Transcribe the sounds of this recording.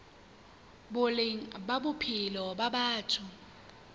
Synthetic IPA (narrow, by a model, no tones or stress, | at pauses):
bʊlɪŋ̩babʊpʰɪlɔbabaːtʰʊ